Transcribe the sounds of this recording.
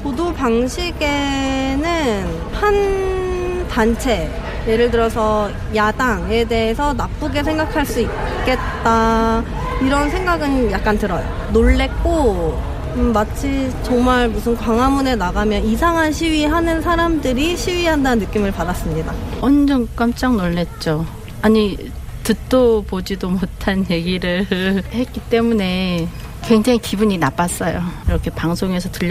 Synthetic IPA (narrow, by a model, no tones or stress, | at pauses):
podupaŋɕʰiɡe̞nɯn | han | tant͡ɕʰe̞ | je̞ɾɯɭt̬ɯɾʌsʰʌ | jadaŋe̞de̞ɦesʰʌnap͈uɡesʰe̞ŋɡakʰaɭs͈uitk͈e̞t̚t͈a | iɾʌnsʰe̞ŋɡaɡɯnjak̚k͈antɯɾʌjo̰ | noɭːe̞k̚k͈o | mat͡ɕʰit͡ɕʌŋmaɭmusʰɯnkwaŋɦamune̞naɡamjʌnisʰaŋɦanɕʰiɥiɦanɯnsʰaɾamdɯɾiɕʰiɥiɦandannːɯk͈imɯɭpadas͈ɯmɲidaʌnd͡ʑʌnk͈amt͡ɕ͈aŋnoɭːe̞t̚t͡ɕ͈o | aɲi | tɯt͈opod͡ʑidomotʰanje̞ɡiɾɯhe̞t̚k͈it͈e̞mune̞ | kwe̞ŋd͡ʑaŋikibuɲinap͈as͈ʌjoiɾʌkʰe̞paŋsʰoŋe̞sʰʌtɯʎː